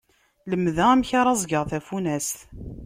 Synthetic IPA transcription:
ləmːðææmçaɾˤɑzˤɡəʁθæfunæsθ

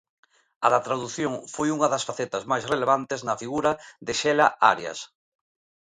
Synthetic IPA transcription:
ɐðɐt̪ɾaðuθjoŋfojuŋɐðɐsfaθet̪ɐzmajsreleβant̪ɪznɐfiɣuɾɐðɪʃɛlaa̰ɾjɐ̰s

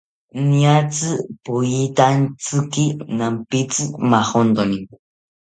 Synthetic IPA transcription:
niat͡sɨpujit̪ant͡sɨkinampit͡sɨmaχond̪oniŋ

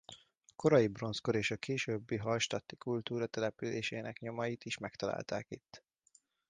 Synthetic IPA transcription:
ɒko̞ɾɒjibro̞nskoɾeːʃɒkeːʃøːbːiɦɒlʃt̪ɒt̪ːi̥kult̪uːɾɒt̪ɛlɛpylḛːʃeːnɛkɲo̞mɒjit̪iʃmɛkt̪ɒla̰ːlt̪a̰ːkit̪ː

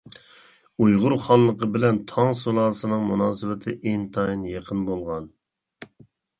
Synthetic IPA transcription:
ujʁʊɾχɑlˠːəqəbɪlɛnt̪ʰɑŋsolˠɑːsɨnɨŋmunɑːsɨwɪt̪ʰɪʔeŋt̪ʰɑinjeqʰənbolˠʁɑn

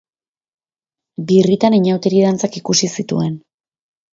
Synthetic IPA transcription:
birit̪aniɲawt̪eɾið̞ant͡sakikusisit̪ṵe̞n

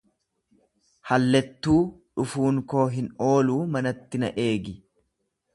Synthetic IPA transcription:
hɐlːɛt̪ːuːᶑʊfuːŋko̞ːɦɪno̞ːluːmɐnɐt̪ːɪnɐ̰ʔe̞ːɡɪ

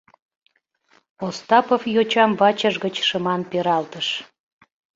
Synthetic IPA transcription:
ost̪ɑpofjot͡ɕɑmvɑt͡ɕəʒɣət͡ɕʃəmɑnpeɾɑlt̪əʃ

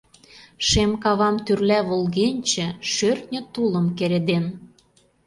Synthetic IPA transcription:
ʃemkɑβɑmt̪yrlæβolɣenʲt͡ɕĕʃørt̪nʲə̆t̪ulə̆mkeɾed̪en

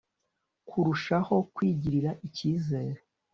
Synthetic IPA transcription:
kʰuɾuʃaho̞kwiːɟiɾiɾaʔiciːze̞ːɾe

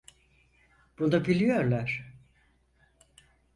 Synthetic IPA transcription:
b̥und̪abilʲijo̞ɾlˠaɾ̥

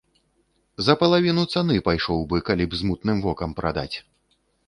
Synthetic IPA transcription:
zɐpɐlˠavʲinut̪sanɨpajʂɔwbɨkalʲibzmut̪nɨmvɔkɐmpɾa̰d̪a̰t͡sʲ

